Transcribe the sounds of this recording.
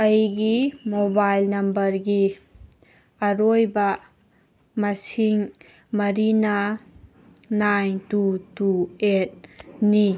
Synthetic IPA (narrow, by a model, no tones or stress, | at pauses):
ɐjɡimobajlnɐmbɐɾɡi | ɐɾojbɐ | mɐsiŋ | mɐɾinɐ | nantutuet̚ni